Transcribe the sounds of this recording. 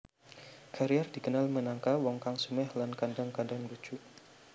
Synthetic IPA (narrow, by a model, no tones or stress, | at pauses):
kʰaɾiardikənalmənaŋkawɔŋkaŋsumɛhlankandaŋkadaŋbut͡ʃuʔ